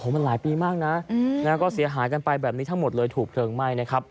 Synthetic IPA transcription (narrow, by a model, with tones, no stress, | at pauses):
o˨˦ma˧nlaː˩˦jpiː˧maː˥˩k̚na˦˥naː˦˥˩kɔː˥˩si˩˦ɐɦaː˩˦jka˧npa˧jbɛː˨˩p̚niː˦˥t̪ʰa˦˥ŋmo˨˩t̪̚lɤː˧jt̪ʰuː˨˩k̚tʰɤː˧ŋma˥˩jna˦˥kʰa˦˥p̚